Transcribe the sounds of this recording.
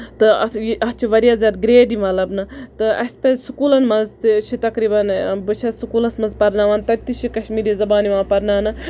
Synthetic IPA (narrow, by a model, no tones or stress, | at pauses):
t̪ɨɐjɐt͡ʃʰiʋɐɾijaːzʲaːd̪ɡɾeːd̪imɐlɐbnɨt̪ɨɐ̰sʲpɐzsukuːlɐnmɐnzt̪ɨt͡ʃʰit̪ɐkɾiːbɐnbɨt͡ʃʰɐsukuːlɐsmɐnzpɐɾnaːʋaːnt̪ɐt̪it͡ʃʰikɐʃmiːɾizɐbaːniʋãːpɐɾnaːnɨ